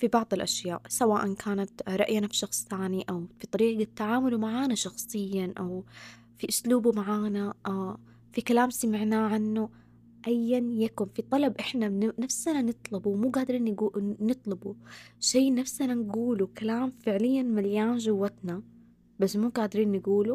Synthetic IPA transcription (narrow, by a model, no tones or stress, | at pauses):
fibɑʕðˤɪlʔaʃjaːʔsawaːʔankʰaːnat̪ɾˤɑ̰ʔjnafiʃɑxsˤt̪aːniʔawfit̪ˤɑɾiːɡat̪ːaʕaːmʊlumaʕaːnaʃɑxsˤɨjːaʔaw | fiʔʊsluːbumaʕaːnaʔa | fikalaːmsamɪʕnaːʕanːu | ʔajːanjakʊnfit̪ˤɑlɑbʔɪħnanafsananɨt̪ˤlʊbuwmuːɡaːd̪ɾiːnːɡunɨt̪ˤlʊbuʃeːnafsananɡuːlukalaːmfɪʕlɪjːanmaljaːnʒʊwːat̪na | basːmuːɡaːd̪ɾiːnːɪɡuːlu